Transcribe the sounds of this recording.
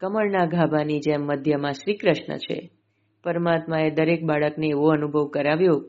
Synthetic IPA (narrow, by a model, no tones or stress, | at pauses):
kəməɭnaɡʱabanid͡ʒɛmːəd̪ʱjəmãʃɾikɾəʃɳə̰t͡ʃʰḛ | pəɾmat̪maed̪əɾek̚baɭəkneːʋoənubʱəʋkəɾaʋjo